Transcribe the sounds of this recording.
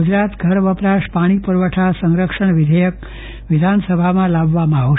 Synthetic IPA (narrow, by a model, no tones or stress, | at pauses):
ud͡ʒɾat̪ɡʱəɾʋəpɾaʃpaɽ̃ipuɾʋəʈʰasəŋɾəkʂəɳʋɪd̪ʱəjək̚ | ʋɪd̪ʱansəbʱamãlabːamãaɦo